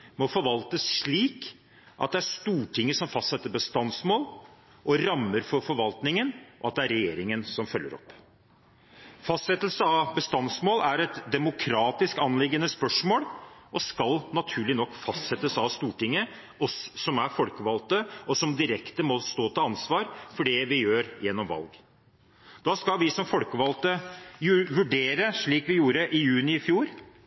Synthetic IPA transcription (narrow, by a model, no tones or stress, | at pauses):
mɔfɔɾʋɑlt̪əsʂɭiːk | ʔɑ̰t̪̚d̪ɛæɾʂt̪uːʈʰɪŋːəsɔmfɑst̪sɛt̪ːəɾbəst̪ɑnsmoːl | ʔɔɾɑmːəɾfɔɾfɔɾʋɑlt̪nɪŋənʔɔɑt̪̚d̪ɛæɾɛjeːɾɪŋənsɔmfœlːə̰ɾɔ̰pː | fɑst̪sɛt̪ːəl̩səɑʋbəst̪ɑnsmoːlæɾɛt̪d̪ɛmʊkʰɾɑːt̪ɪskɑnlɪɡːənəspœʂmoːlʔɔskɑlnɑt̪ʰʉːɭɪnɔkːfɑst̪sɛt̪əsɑʋst̪uːʈɪŋːə | ɔsːɔmæɾfɔlkəʋɑlt̪əɔsɔmd̪ɪɾɛkt̪əmɔst̪oːt̪ʰɔɑnsʋɑːɾfɔɖɛʋɪjøːɾjɛnːɔmʋɑ̰lɡ | d̪ɑːskɑlʋɪsɔmfɔlkəʋɑlt̪əjʋʉɖeːɾəʂɭiːkʋɪjuːɾəʔɪjʉːnɪɪfjuːɾ